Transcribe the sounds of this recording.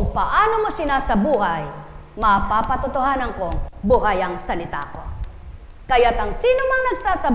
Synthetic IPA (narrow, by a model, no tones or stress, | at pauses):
kʊŋpɐʔaːnomo̞sɪnasɐbuːɦɐj | mɐpapɐt̪ʊt̪ohaːnɐŋkoŋbuɦajɐŋsɐlɪt̪a̰ːko̞ | kɐjat̪ɐŋsiːnomɐŋnɐɡsaːsɐ